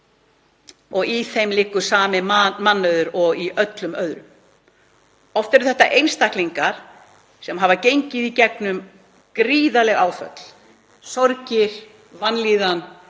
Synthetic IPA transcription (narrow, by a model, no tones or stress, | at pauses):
ɔɣiθejmlɪkːʏ̥saːmɪmanːœɥðʏɾɔɣiʔœt̪lʏmœðɾʏm | ɔft̪ɛɾʏθɛht̪ːaʔejnst̪ahkliŋkaɾ̥ | sɛmɦavacejɲcɪðicɛk̚nʏm | kɾiːðalɛɣaːwfœ̰t̪l̥ | sɔɾcɪɾ̥ | vanliːðan